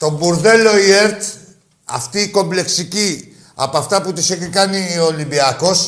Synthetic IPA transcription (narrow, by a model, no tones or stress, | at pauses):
t̪o̞buɾðe̞lo̞ieɾt̪ | ɐ̰ft̪iːko̞mble̞ksici | ɐ̰poɐft̪ɐput̪iseçikɐniolimbiɐko̞s